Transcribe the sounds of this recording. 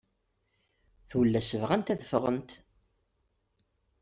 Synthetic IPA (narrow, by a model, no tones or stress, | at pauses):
θuwlːæsəvʁænt̪æðəfʁə̰nt̪